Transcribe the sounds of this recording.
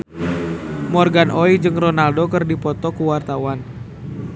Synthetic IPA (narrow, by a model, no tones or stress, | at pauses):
mɔrɡanʔɔid͡ʒɨŋrɔnaldokɨrdipɔt̪ɔkuwart̪awan